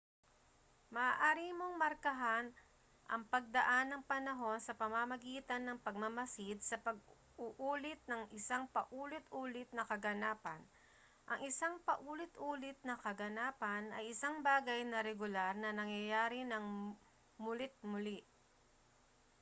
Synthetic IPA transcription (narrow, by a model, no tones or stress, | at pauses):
mɐʔaʔaːɾimoŋmɐɾkɐɦan | ʔɐ̰ŋpɐɡ̚d̪ɐʔanːɐŋpɐnɐɦo̞nsɐpɐmamɐɡiːt̪ɐnːɐŋpɐɡ̚mɐmɐsid̪̚sɐpɐɡ | ʊʔuːlɪt̪̚nɐŋʔɪsaŋpɐʔuːlɪt̪ʔuːlɪt̪̚nɐkɐɡɐnaːpɐn | ʔɐŋʔɪsaŋpɐʔuːlɪt̪ʔuːlɪt̪̚nɐkɐɡɐnaːpɐnɐjʔɪsaŋbaːɡɐjnɐɾɛɡʊlaɾnɐnɐŋjɐjaːɾɪnɐŋ | mʊlɪt̪̚mʊlɪʔ